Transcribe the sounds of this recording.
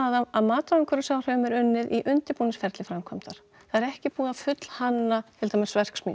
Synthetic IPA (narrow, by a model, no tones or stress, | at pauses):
ðaaðmaːt̪ɾɔŋkʰʏɾʏsaːwr̥œːmɛɾʏnːɪðiʔʏnt̪ɪɾpuːnɪsfɛɾt̪lɪfɾamkʰɔmt̪aɾ̥ | θaðɛɾɛhcɪpuːafʏt̪l̥hanːat̪ʰɪlt̪aːmɪsvɛr̥ksmḭ